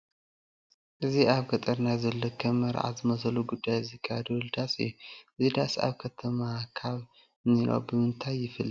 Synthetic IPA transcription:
ʔɨziʔaβɡɐt̪ʼɐɾnajzɐlːokʰɐmːɐɾʔa̰zɨmɐsɐluɡud̪ːajzɨkʰːad̪wɨld̪asɨ̰jːuʔɨzid̪asa̰βkʰɐt̪ʰɐmakʰaβ | niɾo̰bɨmɨnt̪ʰajːɪfɨlː

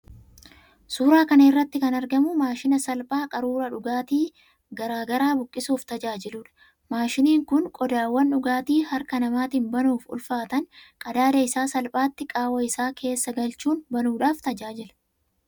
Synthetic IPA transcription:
suːɾaːkɐnɐɪrːɐt̪ːɪkɐnɐɾɡɐmʊmaːʃɪnɐsɐlpʼaːkʼɐɾuːɾɐᶑʊɡaːt̪iː | ɡɐɾaːɡɐɾaːbʊkʼːɪsuːft̪ɐd͡ʒaːd͡ʒɪlʊᶑɐ̥ | maːʃɪniːŋkʊnkʼɔd̪aːwːɐnᶑʊɡaːt̪iːhɐɾkɐnɐmaːt̪ɪːnbɐnuːfʊ̰lfaːt̪ɐŋkʼɐd̪aːd̪ɐɪsaːsɐlpʼaːt̪ːɪkʼaːwɐɪsaːkʰe̞ːsːɐɡɐlt͡ʃuːnbɐnuːᶑaːft̪ɐd͡ʒaːd͡ʒɪlɐ

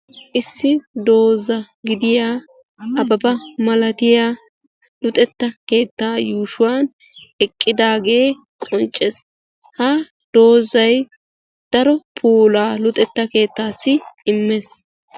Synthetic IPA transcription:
ʔɪsːɪd̪o̞ːzːɐ | ɡɪd̪ɪjaː | ɐbɐbɐmɐlɐt̪ɪjaː | lʊt̪ʼɛt̪ːɐke̞ːt̪ːaːjuːʃʊwaːn | ɛkʼːɪd̪aːɡe̞ː | kʼɔnt͡ʃʼːes | hɐ | d̪̥o̞ːzɐj | d̪̥ɐɾɔpʰuːlaːlʊt̪ʼɛt̪ːɐke̞ːt̪ːaːsːɪɪmːes

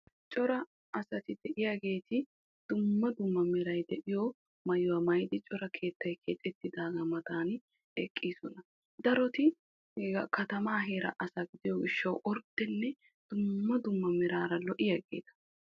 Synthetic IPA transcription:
t͡ʃʼɔɾɐ | ɐsɐt̪ɪd̪̥ɛʔɪjaɡe̞ːt̪ɪ | d̪̥ʊmːɐd̪ʊmːɐmɛɾɐjd̪ɛʔɪjɔ | mɐjʊwɐmɐjd̪ɪt͡ʃʼɔɾɐkʰe̞ːt̪ːɐjkʰeːt̪ʼːɛt̪ːɪd̪aːɡɐmɐt̪aːn | ɛkʼːiːsɔnɐ | d̪ɐɾɔt̪ɪ | kɐt̪ɐmaːɦe̞ːɾɐ̰ʔɐsɐɡɪd̪ɪjɔɡɪʃːɐwʔɔɾt̪ːɛnːɛ | d̪̥ʊmːɐd̪ʊmːɐmɛɾaːɾɐlɔʔɪjɐɡḛːt̪ɐ̥

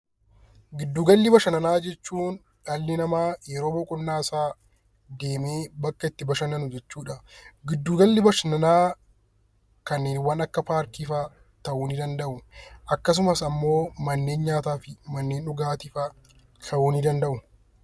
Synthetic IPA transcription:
ɡɪd̪ːuːɡɐlːɪbɐʃɐnɐnaːd͡ʒɛt͡ʃːuːn | ᶑɐlːɪnɐmaːjɛɾo̞ːbɔkʼʊnːaːɪsaː | d̪e̞ːmeːbɐkːɐɪt̪ːɪbɐʃɐnɐnʊd͡ʒɛt͡ʃːuːᶑɐɡɪd̪ːuːɡɐlːɪbɐʃɐnɐnaː | kɐnːeːnwɐnɐkːɐpaːɾkiːfa | t̪ɐʔuːnɪd̪ɐnd̪ɐʔʊʔɐkːɐs̬ʊmɐsɐmːo̞ːmɐnːe̞ːnɲaːt̪aːfɪmɐnːeːnʊɡaːt̪ɪfaː | t̪ʰɐʔuːnɪd̪ɐnd̪ɐʔʊ

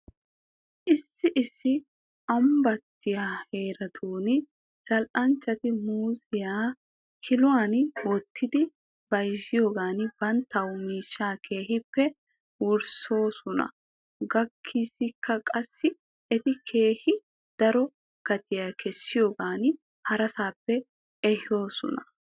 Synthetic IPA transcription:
ʔɪsːɪʔɪsːɪ | ɐmbɐt̪ːɪjaːheːɾɐt̪ʰuːnɪ | sɐlʔɐnt͡ʃːɐt̪ɪmuːsɪjaː | kʰɪlʊwaːnwɔt̪ʰːɪd̪ɪ | bɐjʃɪjo̞ːɡaːnɪb̥ɐnt̪ːɐwʊmiːʃːaːkʰe̞ːɦɪpːɛ | wʊɾso̞ːsɔnɐ̰ | ɡɐkʰːisɪkʰːɐkʼɐsːɪ | ɛt̪ɪkʰe̞ːhɪ | d̪̥ɐɾɔ | kɐt̪ɪjaːkʰɛsːɪjo̞ːɡaːn | hɐɾɐsaːpːɛ | ɛho̞ːsɔ̰nɐ

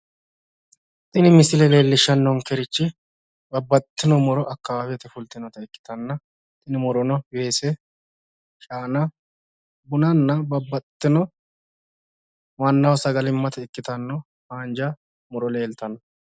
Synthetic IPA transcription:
t̪ʼɪnɪmɪsɪlɛle̞ːlːɪʃːɐnːɔŋkɛɾɪt͡ʃːɪ | bɐbːɐt̪ːɪnɔmʊɾɔʔɐkːɐwaːwɛt̪ɛfʊlt̪ɪnɔt̪ɐɪkːɪ̥t̪ɐnːɐ | t̪ʼɪnɪmʊɾɔnɔwe̞ːsɛ | ʃaːnɐ | bʊnɐnːɐbɐbːɐt̪ːɪnɔ | mɐnːɐwɔsɐɡɐlɪmːɐt̪ɐɪkːɪt̪ɐnːɔ | haːnd͡ʒɐ | mʊɾɔle̞ːlt̪ɐnɔ

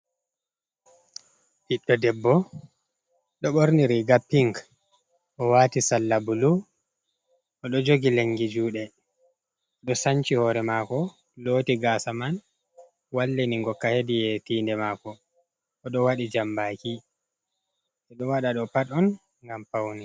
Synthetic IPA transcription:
piɗːɔdɛbːɔ | ɗɔɓoɾniɾiɡapːiŋk | ʔɔwatisalːabulu | ʔɔɗɔd͡ʒoɡileŋɡid͡ʒuːɗɛ | ɗɔsaɲt͡ʃihɔɾɛmaːkɔ | loːtiɡaːsaman | walːeniŋɡɔkːahedijɛtiːndɛmaːkɔ | ɔɗɔwaɗid͡ʒambaːki | ɛɗɔwaɗaɗɔpaɗɔn | ŋɡampawni

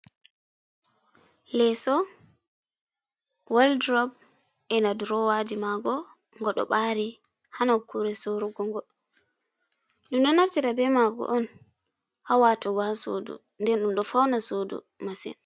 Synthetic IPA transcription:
lɛsɔ | waldɾɔb̚ | ɛnaduɾɔwadimaɡɔ | ŋɡɔɗɔ̰ɓaɾi | hanakʰuɾɛsoɾuɡɔŋɡɔ | ɗumɗɔnaftiɾabɛmaɡɔ̰ʔɔn | hawatɔɡɔhaso̰dṵ | ndɛnɗumɗɔfawnasodṵ | masḭn

